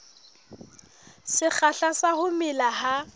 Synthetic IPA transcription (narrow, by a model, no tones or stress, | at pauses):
sɪk͡xʰaɬasahʊmɪlaha